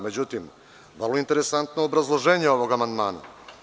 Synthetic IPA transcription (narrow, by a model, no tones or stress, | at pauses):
med͡ʑut̪im | ʋrloint̪eɾe̞sant̪noːbɾazlˠo̞ʒe̞ːɲeo̞ʋo̞ɡamand̪maːna̰